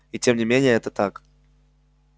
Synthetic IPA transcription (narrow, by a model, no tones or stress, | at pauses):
itʲemnʲɪmʲenʲɪjəɛt̪ət̪ak